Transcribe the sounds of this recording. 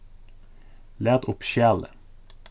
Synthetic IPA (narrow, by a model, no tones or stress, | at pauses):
leːd̪ʊpʃjæːlə̰